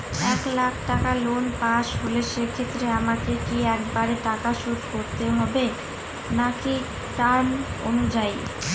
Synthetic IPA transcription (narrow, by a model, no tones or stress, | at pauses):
ɛklakʰʈakalonpãʃɦoleʃekʰet̪ːɾeamakekiɛkbaɾeʈakaʃud̪ʱkoɾt̪eɦɔbe | naki | ʈan | o̰nud͡ʑaj